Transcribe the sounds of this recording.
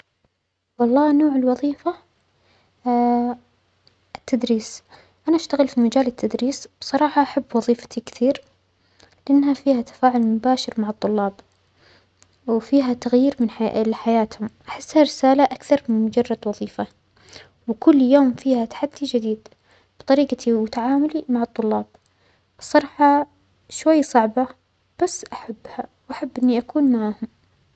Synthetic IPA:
wɑlˤːɑːnoːʕɪlwɑðˤiːfa | ʔɪt̪ʰːad̪ɾiːs | ʔanaʔaʃt̪aɣɪlfimad͡ʒaːlɪt̪ʰːad̪ɾiːsb̥sˤɑɾˤɑːħɑʔaħabːwɑðˤiːfḁt̪ʰikɪ̥θiːɾ | lɪʔɪnːhafiːhat̪ḁfaːʕʊlmʊbaːʃɪɾmaʕɨt̪ˤːʊlːɑːb | wfiːɦat̪aɣjiːɾmɪnlɪħajaːt̪hʊmʔaħɪsːhaɾɪsaːlaʔakθɑɾˤmɪnmʊd͡ʒɑrˤːɑd̪wɑðˤiːfa | wkʊlːjoːmfiːhat̪ḁħad̪ːid͡ʒɪd̪iːd̪ | b̥ɨt̪ˤɑɾiːqt̪ʰiwʊt̪aʕaːmʊlimaʕɑt̪ˤːʊlːɑːb | sˤɑɾˤħɑ | ʃwajːsˤɑʕba | b̥asːʔaħabːhawʔaħabːʔɪnːiʔakuːnmaʕaːhʊm

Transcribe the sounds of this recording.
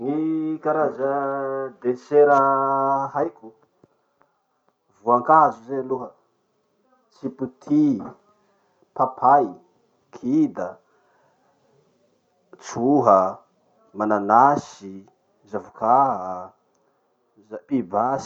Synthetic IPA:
ŋikaɾazəd̪eseɾəɦajkʲu | vuaŋkaɦzuzeluɦə | t͡siput̪ʰi | papʰaj | kʰid̪ə | t͡suɦə | mananasi | zavukaɦə | zaibas

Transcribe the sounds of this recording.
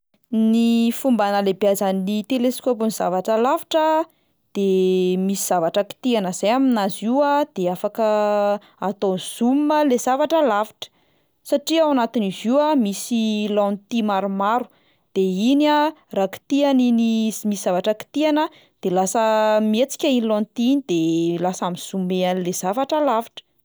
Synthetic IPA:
nifumbanəlebiazanit̪eleskop̬uniz̥a̰vaʈ͡ʂəlaviʈ͡ʂə | d̪̥emisiz̥avaʈ͡ʂəki̥t̪ianəz̥ajaminaziwad̪̥eafakə | at̪oz̥umməlezavaʈ͡ʂəlaviʈ͡ʂə̥ | saʈ͡ʂiawanat̪iniziwamisilɔnt̪imaɾumaɾu̥ | d̪̥einaraki̥t̪ianinizmisiz̥avaʈ͡ʂəki̥t̪ianə | d̪̥elasəmiet͡si̥kʲainilõnt̪iind̪̥elasamiz̥umeanlez̥avaʈ͡ʂəlavaʈ͡ʂə̥

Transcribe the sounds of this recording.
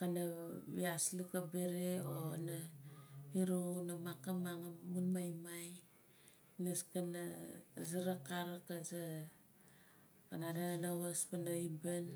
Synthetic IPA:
kanaβiaslukabeɾeona | iɾunamakamaŋamunmajmaj | naskanazaɾakaɾakaza | kanadanawaspanaiban

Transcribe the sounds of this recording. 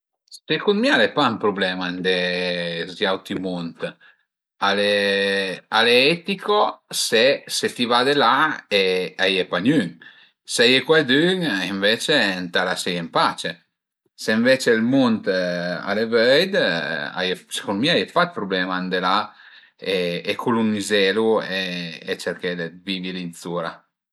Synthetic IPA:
sekunmialepampɾublɛmand̪e | zjawt̪imunt̪ | ale | aleɛt̪ikosesefivad̪elaeajepaɲyŋ | sajekwad̪yŋiɱvet͡ʃent̪alasejempat͡ʃe | seiɱvet͡ʃelmunt̪a̰levøjd̪a̰jese̥konmiaajefat̪̚pɾublɛːmaːnd̪ela | eːkʰulunːizɛlueːt͡ʃeɾked̪eviːvilinsuːɾa

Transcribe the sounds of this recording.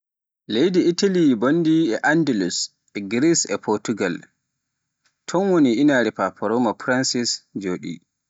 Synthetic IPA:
lejdiitalibonːdiɛʔandɛlus | ɛɡɾisɛ̰pʰɔɾtuɡal | tʰɔnwoniʔinaɾipapʰɔɾɔmapɾansisd͡ʒoːɗḭ

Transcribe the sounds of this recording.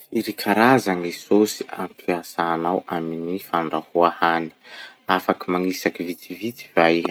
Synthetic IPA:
iɾikʰaɾazaŋisosi̥a̰mpʰiasaːnawaminifaɳɖ͡ʐahuahani̥afakimaŋisakivit̪ivit̪i̥vaj

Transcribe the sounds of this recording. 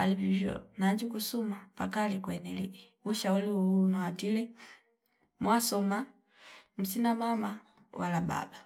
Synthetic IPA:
alivivjɔ̰naɲd͡ʒukusumapakalikwɛnɛlii | wuʃauliunaadilɛ | mwasɔma | m̩sinamama | wʔalaba̰ba

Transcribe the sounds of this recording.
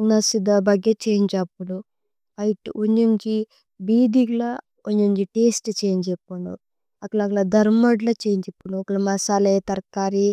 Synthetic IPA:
nɐsid̪ɐbɐɡɐt͡ʃeːɲd͡ʒɐpːuɽu | ɐjiʈuɲd͡ʒuɲd͡ʒi | biːd̪iɡlɐ | oɲd͡ʒuɲd͡ʒiʈeːsʈt͡ʃeːɲd͡ʒepːuɳṵ | ɐkɐlɐkɐlɐd̪ɐɾmoɖlɐt͡ʃeːɲd͡ʒepːuɽukːɐlmɐsaːlɐjt̪ɐɾkaːɾi

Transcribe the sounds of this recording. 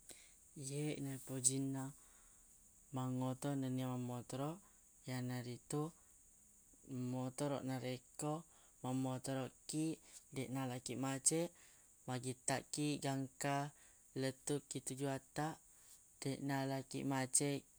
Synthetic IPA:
jeʔnapod͡ʒina | maŋot̪ɔnəniamamɔt̪ɔɾɔʔ | janaɾit̪u | mɔt̪ɔɾɔ̰ʔnaɾekɔ | mamɔt̪ɔɾɔʔkiʔdeʔnalakiʔmat͡ʃɛʔ | maɡit̪aʔkiʔɡaŋka | lət̪uʔkːit̪ud͡ʒuat̪aʔ | d̥eʔnalakḭʔmat͡ʃɛʔ

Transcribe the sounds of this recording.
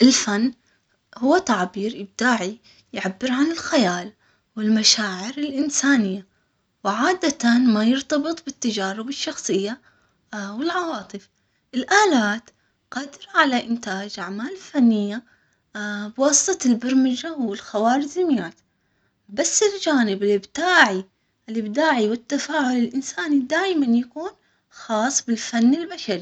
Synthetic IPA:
ʔɪlfanː | hʊwːat̪aʕbiːɾjɪb̚d̪aːʕi | jʕabːɪɾʕanɪlxajaːl | wɪlmaʃaːʕɪɾɪlʔɪnsaːnɪjːa | wʕaːd̪at̪anmajɪɾt̪ɑbɨt̪ˤbɪt̪ːad͡ʒaːɾɪbɪʃːɑxsˤɨjːa | wɪlʕɑwɑːt̪ˤɨf | ʔɪlʔaːlaːt̪ | qɑːd̪ɪɾaʕalaʔɪnt̪aːd͡ʒʔaʕmaːlɪlfanːɪjːa | bwɑːsˤɨ̥t̪ˤɑlbaɾmɪd͡ʒawɪlxawaːɾɪzɪmjaːt̪ | basːɪld͡ʒaːnɪbɪlɪbd̪aːʕi | ʔɪlɪbd̪aːʕiwɪt̪ːafaːʕʊlɪlʔɪnsaːnid̪aːjmanjakuːn | xɑːsˤbɪlfanːɪlbaʃaɾi

